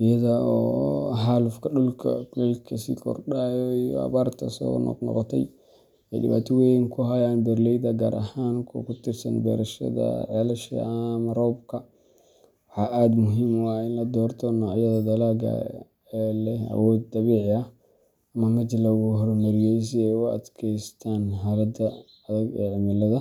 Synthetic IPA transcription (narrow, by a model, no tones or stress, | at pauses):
ɪjɐðɐɔːɦaːlʊfkʰɐɗʊlkʰɐ̰kʊlɛlkʰɐsḭːkʰɔ̰rɗajɔijɔ̰ɐ̰βaːrt̪ʰɐsɔ̰ːnɔ̰ɡnɔ̰qɔt̪ʰɛ̰j | ɛjdɪ̰βa̰ːt̪ʰɔwɛjŋkʰʊɦɐjanbɛrlɛjdɐɡaːɾʔɐhaːŋkʰɔ̰kʰʊt̪ʰɪrsɐ̰nbɛ̰ːɾɐʃɐ̰ðɐ̰ʕɛlɐʃɐ̰mɐrɔːbkʰɐ | wɑħɑːʔaːd̪mʊɦimwɑjɪnlɐd̪ɔːrt̪ʰɔnɔːʕjɐðɐd̪ɐlaːɡɐ̰ | lɛɐ̰wɔːd̪̚d̪ɐβiːʕɪɐh | ɐmɐmɐt͡ʃɪlɐɣʊɦɔrmɐɾɪjɔjs̬iɛʊɐ̰d̪kʰɛjst̪ʰaːnɦɐɾɐd̪ɐ | ɐðɐɡɛ̰ːʕɪmɐlɐðɐ